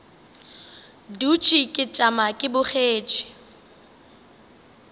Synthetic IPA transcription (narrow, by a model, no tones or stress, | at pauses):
dut͡ʃʼikʼɪt͡ʃʼamakʼɪbʊχeːt͡ʃʼɪ̥